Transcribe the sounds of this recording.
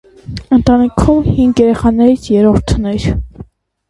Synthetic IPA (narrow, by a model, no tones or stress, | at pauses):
ənt̪ɑnikʰumhiŋɡjɛɾɛχɑnɛɾit͡sʰjɛɾɔɾt̪ʰnɛɾ